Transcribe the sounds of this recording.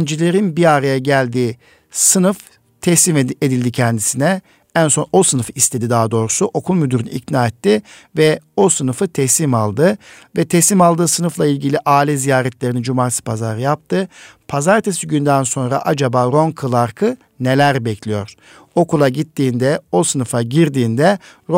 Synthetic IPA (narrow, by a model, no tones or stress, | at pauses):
nd͡ʒilʲe̞ɾinbiaɾajaɟælʲd̪iː | sɯnɯf | t̪ʰɛsimed̪ilʲd̪icʰɛnd̪isinɛ | ænso̞no̞sɯnɯfɯist̪ʰe̞d̪id̪aːad̪o̞ːɾusuʔo̞kʰulˠmyd̪yɾynɯ̰ḭcnaːɛt̪ʰːivɛo̞sɯnɯfɯt̪ʰɛsimalˠd̪ɯ | vɛt̪ʰɛsimalˠd̪ɯːsɯnɯflˠailʲɟilʲiʔaːlʲɛzijaːɾɛt̪lʲe̞ɾinid͡ʒumaːt̪isi̥pʰazaɾɯjap̚t̪ʰɯpʰazaɾt̪ʰesiɟynd̪ænso̞nɾa̰ʔad͡ʒabaːɾo̞ŋkʰɯlˠaɾkʰɯ | ne̞lʲæɾbɛclʲijo̞̰ɾ̥ | o̞kulˠaɟit̪ːiːnd̪ɛosɯnɯfaɟiɾd̪iːnd̪ɛɾ